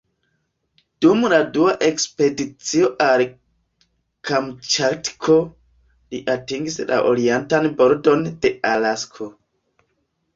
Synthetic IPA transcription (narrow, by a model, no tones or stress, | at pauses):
d̥umladuaʔe̞kspe̞dit͡sio̞ʔaɾ | kamt͡ʃatkʰo | liʔatiŋɡisla̰ʔoɾientanboɾdo̞nd̥e̞alaskʰo